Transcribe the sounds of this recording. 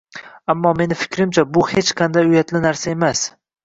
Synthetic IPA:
amːɒme̞nɪfɪ̥kʲʰɾɪmt͡ʃʰabʊhet͡ʃqʰɑnd̪ajʊjat̪lɪnaɾsae̞mas

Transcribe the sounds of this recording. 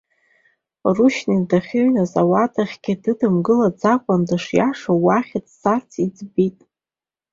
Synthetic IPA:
ruʃnidaχʲʏɥnazawatʰʼaχʲɡ̥ʲɪdɨdɨmɡɨlad͡zakʷʼandɨʂjaʂawaχʲatsart͡sʰid͡zbitʼ

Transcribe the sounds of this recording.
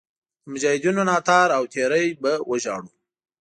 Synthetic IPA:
mʊd͡ʒɑhɪd̪unonɑt̪ɑɾawt̪ʰeɾəjbawəʒɑɽu

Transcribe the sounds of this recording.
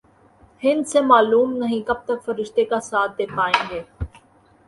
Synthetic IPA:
hɪ̃nd̪semaːluːmnɐɦĩkɐb̚t̪ɐkfɐɾɪʃt̪ekasaːt̪̚ʰd̪eːkʰaːẽːŋɡeː

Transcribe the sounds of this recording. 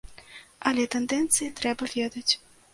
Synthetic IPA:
ɐlʲɛt̪ɛnd̪ɛnt̪sɨjit̪ɾɛbɐvʲɛd̪ɐt͡sʲ

